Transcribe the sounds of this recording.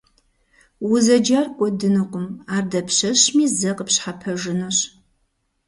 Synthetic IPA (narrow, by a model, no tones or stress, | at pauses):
wʊzɐd͡ʒarkʷʼɔdɨnɨqʷʼʊmaːrdɐpʰɕɐɕmiːzɐqəpɕħapʰɐʒɨnɨɕ